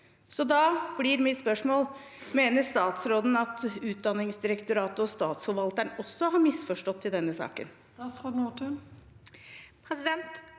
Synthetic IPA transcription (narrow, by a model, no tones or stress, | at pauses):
sɔd̪ɑːb̥lɪɾmɪt̪spœʂmoːl | meːnəst̪ɑːt̪sɾoːd̪n̩ɑt̪ʉːt̪̚d̪ɑnːɪŋsd̪ɪɾəkt̪ʊɾɑːt̪əɔst̪ɑːt̪shɔlʋɑlt̪æɳɔsːɔɦɑɾmɪsfɔʂʈɔt̪ʰːɪld̪ɛnːəsɑ̰ːkə̰n | t̪ɑːt̪sʁoːd̪n̩ot̪ʰə | pʰɾɛsɪd̪ɛnt̪